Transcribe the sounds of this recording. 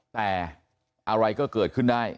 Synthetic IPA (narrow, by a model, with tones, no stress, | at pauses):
t̪ɛː˨˩ | ʔa˧ɾa˧jkɔː˥˩kɤː˨˩t̪̚kʰɯ˥˩ndaː˥˩j